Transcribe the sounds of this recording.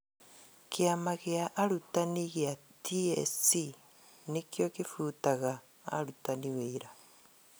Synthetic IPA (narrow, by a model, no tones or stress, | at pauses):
kʰeamaɣeaʔːɾutaniɣeatʰiḛsi | nekjokifuːtaɣa̰ː | ɾutaniweiɾa